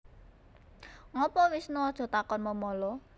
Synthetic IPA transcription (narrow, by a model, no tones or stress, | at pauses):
ŋɔpɔwɪsnuɔd̥ʒ̥ɔ̤t̪akɔnməmɔlɔ